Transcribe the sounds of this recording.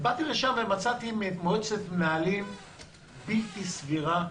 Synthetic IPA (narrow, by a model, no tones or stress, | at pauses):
bat̪iʁeʃamvemat͡sat̪imeːt̪moet͡setmnaːlim | bit̪isviʁa